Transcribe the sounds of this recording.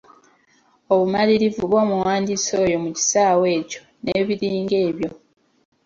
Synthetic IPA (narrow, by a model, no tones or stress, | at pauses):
oβumaliɾivuβo̞ːmuwaːndiso̞ːjo̞muci̥saːwe̞ːco̞̥ | neːβiɾiːŋɡe̞ːβjo̞